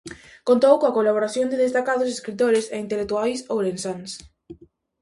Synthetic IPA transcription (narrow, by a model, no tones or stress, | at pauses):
kõnt̪owkõakolaβ̞oɾaθjõnd̪ɪðest̪akaðʊs̬eskɾit̪oɾɪseint̪elek̚t̪uajsowɾensans